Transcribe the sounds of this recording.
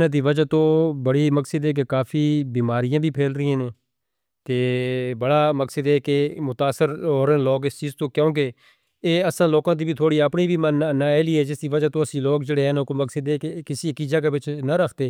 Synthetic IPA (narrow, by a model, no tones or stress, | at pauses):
nãːd̪̬iːʋəd͡ʒaːt̪õːbəɽiːməksəd̪ɦɛːk̬ekaːfʰiːbiːmaːɾɪjãːbʱiːpʰeːlɾəiːãːnẽː | t̪eːbəɽaːməksəd̪eːkemʊt̪aːsːəɾoːɾənloːkɪst͡ʃiːzt̪õːkjõːk̬e | eːəsãːloːkãːt̪̬iːbiːt̪ʰoːɽiːəpniːbiːmənnaːeːliːɛːd͡ʒɪsd̪iːʋəd͡ʒaːt̪õːəsĩːloːkd͡ʒeɽeːɦɛːnõːkoːməksəd̪eːkekɪsiːəkiːd͡ʒaːk̬eːʋɪt͡ʃnəɾəkʰt̪eː